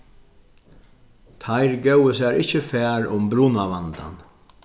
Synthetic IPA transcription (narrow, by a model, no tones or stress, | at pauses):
t̪ʰajɾɡœwəsæːɾɪht͡ʃəfɛːɾʊmbɾuːnaʋant̪a̰n